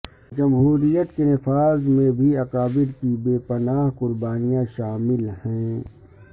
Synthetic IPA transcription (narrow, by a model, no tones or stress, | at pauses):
d͡ʒɐmɦuːɾijət̪kenɪfaːzmẽbʱiɐkaːbɪɖ̪kibeːpɐnaːɦqʊɾbaːnijãʃaːmɪlhɛ̃ː